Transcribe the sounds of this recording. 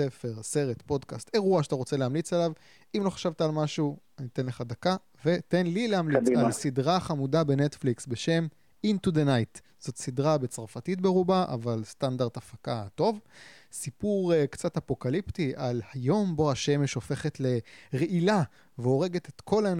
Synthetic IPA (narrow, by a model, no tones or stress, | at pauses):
efe̞ʁse̞ʁet̪po̞dkaste̞ʁuaʃataʁot͡se̞leamlit͡salav | imlo̞χḁʃavtaːlmaʃuanit̪enleχadaka | ve̞tenlileamlialssidʁaχamudabe̞netfliksbe̞ʃe̞m | intud̪enajt | z̥o̞t̪sidʁabe̞t͡saʁfatitbeʁubaʔa̰valstandaʁd̪afakato̞vsipuʁkt͡satapo̞kaliptiʔalhajo̞mbo̞aʃeme̞ʃo̞fe̞χe̞tle̞ʁeʔila | veo̞ʁe̞ɡe̞t̪etkʰo̞lan